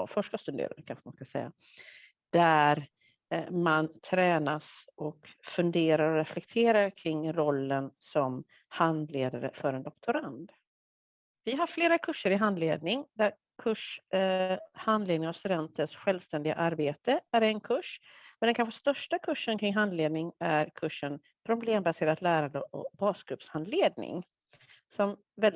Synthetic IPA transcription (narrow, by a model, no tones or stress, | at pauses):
fœʂʈast̪ɵd̪ḛːd̪a̰ɾkʰanɧəma̰nskasɛ̰jːa̰ | d̪̥æɾ | mant̪ʰɾɛːnasʔɔkfɵnd̪eːɾaɾɔɾɛflɛk̚t̪ʰeːɾaɾkʰɾɪŋːɾɔlːənsɔm | hand̪leːd̪aɾə̰fœɾɛnd̪ɔkt̪ʰʊɾand̪ | vɪɦaɾfleːɾakʰɵʂːəɾɪɦand̪lḛːd̪nɪŋd̪æɾ | kʰɵʂ | hand̪leːd̪nɪŋast̪ɵd̪ɛnt̪əʂɧɛlvst̪ɛnd̪ɪɡa̰ʔaɾbeːt̪əæɾɛnkʰɵʂmɛd̪ɛnkʰanɧəst̪œʂʈakʰɵʂːənkʰɾɪŋɦand̪leːd̪̚nɪŋæɾkʰɵʂːən | pʰɾʊbleːmbaseːɾat̪læːɾand̪əʔɔ̰bɑːskɾɵpshand̪leːd̪nɪ̰ŋ | sɔm | vɛ